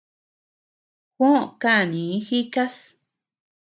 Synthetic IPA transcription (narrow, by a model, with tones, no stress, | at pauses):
xwõ˦˨ka˦ʔnĩ˨˦xi˦ka˦s